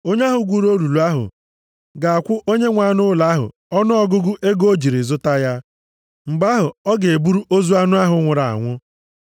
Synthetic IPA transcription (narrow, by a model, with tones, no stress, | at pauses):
o˦ɲ˦a˦ɦʊ˨ɡʷu˨ɾo˦lu˨lu˨a˦ɦʊ̰˨ | ɡa˨a˨kʷʊ˦ʔo˦ɲe˦ŋʷa˨nʊ˦la˦ɦʊ̰˨ | ɔ˦nʊ˦ɔ˨ɡʊ˦ɡʊ˦ʔe˦ɡo˦d͡ʒi˨ɾi˨zʊ˦ta˦ja˦ | ŋ͡m̩˨ɡ͡ba˦ɦʊ˨ɔ˦ɡe˨e˨bu˦ɾu˦ʔo˦zu˦a˦nʊ˦a˦ɦʊ˦ŋʷʊ˨ɾa̰˨a̰˨ŋʷʊ˦